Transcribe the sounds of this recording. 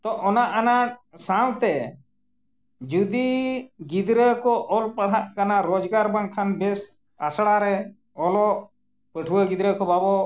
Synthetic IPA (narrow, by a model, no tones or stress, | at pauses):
t̪ɔʔɔnaʔanaʈ̚sawt̪ɛ | d͡ʒud̪iɡid̪ɾəkɔʔɔlpaɽɦaʔkanaɾɔd͡ʒɡaɾbaŋkʰanbɛs | a̰sɽaɾɛ | ɔlɔʔ | pəʈʰuwəɡid̪ɾəkɔbabɔ